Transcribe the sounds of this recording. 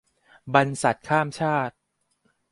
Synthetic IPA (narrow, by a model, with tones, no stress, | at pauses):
ba˧nsa˨˩t̪̚kʰaː˥˩mt͡ɕʰaː˥˩t̪̚